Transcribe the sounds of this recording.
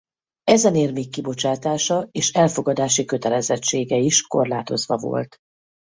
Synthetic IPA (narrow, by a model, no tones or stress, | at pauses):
ɛzɛneːrmeːkːibo̞t͡ʃaːt̪aːʃɒeːʃɛlfo̞ɡɒd̪aːʃikø̞t̪ɛlɛzɛt͡ʃːeːɡɛiʃko̞̰rlaːt̪o̞zʋɒvo̞̰lt̪